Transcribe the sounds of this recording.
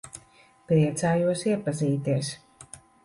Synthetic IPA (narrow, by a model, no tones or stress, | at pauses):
pɾiɛt̪saːjuɔsiɛpaziːt̪iɛs